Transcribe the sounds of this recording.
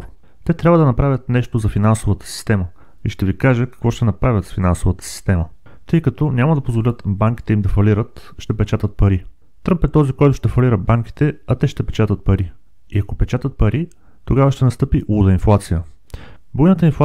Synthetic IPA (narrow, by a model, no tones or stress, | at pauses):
t̪ɛt̪ɾʲabvəd̪ɐnɐpɾavʲət̪nɛʃt̪ozɐfinansovət̪ə̥si̥st̪ɛmə | iʃt̪ɛvikaʒɛkɐ̥kvɔʃt̪ɛnɐpɾavʲjət̪sfinansovət̪ə̥si̥st̪ɛmə | t̪ɤjkɐt̪ɔnʲamɐd̪ɐpozvolʲət̪baŋk̟ʲi̥t̪ɛimd̪ɐfɐliɾət̪ʃt̪ɛpɛt͡ʃat̪ət̪̚pɐɾi | t̪ɾɤmpɛt̪ːɔzikɔjt̪ʊʃt̪ɛfɐlʲiɾəbaŋk̟ʲi̥t̪ɛɐt̪ɛʃt̪ɛpɛ̥t͡ʃat̪ət̪̚pɐɾi | iɐkopɛt͡ʃat̪ət̪̚pɐɾi | t̪oɡavəʃt̪ɛnɐst̪ɤpiʔuud̪əinflˠat̪sijə | bojnət̪əinfˠ